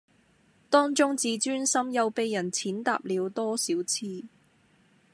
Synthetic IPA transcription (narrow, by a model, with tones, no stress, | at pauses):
t̪ɔː˥ŋt͡ʃʊ˥ŋt͡siː˨˧t͡ʃyː˥nsɐ˥mjɐ˨˧wpe˨jːɐ˨˩nt͡sʰiː˨˥nt̪a̰ː˨p̚liː˨˧wt̪ɔː˥siː˨˥wt͡sʰiː˧